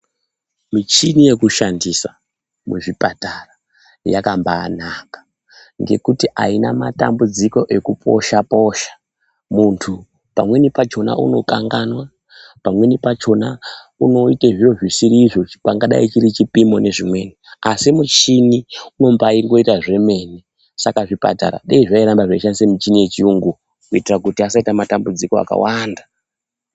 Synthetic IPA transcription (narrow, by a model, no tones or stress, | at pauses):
mit͡ʃinije̞kuʃandisa | muʐipatara | ja̰kambaːnakḁ | ŋɡe̞̰kutiʔainamata̰mbud͡ziko̞ʔe̞kupʰo̞̰ʃapo̞ʃḁ | muntʰu | pamwe̞nipat͡ʃo̞na̰ʔṵno̞kaŋɡanwa | pamwe̞nipat͡ʃo̞na | uno̞iteʐijo̞ʐwisiɾiːʐo̞paŋɡaɗa̰it͡ʃiɾit͡ʃipimo̞ne̞ʐimwe̞niasimut͡ʃiniuno̞mbaiŋɡo̞itaʐe̞me̞ne | sakaʐipa̰ta̰ɾa̰ɗeiʐaiɾambaʐaiʃanisemut͡ʃinie̞t͡ʃiuŋɡu | kuitirakutiasaitamatambud͡ziko̞a̰ka̰wanda